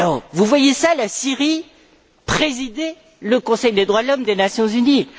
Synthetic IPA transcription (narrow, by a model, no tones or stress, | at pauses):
alɔʁvuvwajesalasiʁi | pχezid̪ɛ | ləkɔ̃sɛjd̪ed̪ʁwad̪əlɔmd̪enasjɔ̃zyni